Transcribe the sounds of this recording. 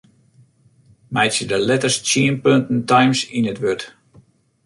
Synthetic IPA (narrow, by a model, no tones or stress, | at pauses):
mɛjtsjədəlɛtərst͡ʃiənpøntn̩tajmsinətʋøt